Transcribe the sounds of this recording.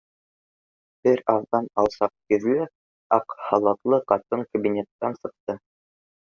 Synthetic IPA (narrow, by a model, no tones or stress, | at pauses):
b̥ɘɾɑvðɑnɑlˠsɑq̚kɵ̆ɾlɘ | ɑqhɑlˠɑt̪lˠɤqɑt̪ɤɴkɐbʲinʲet̪ːɑnsɤ̆q̚t̪ɤ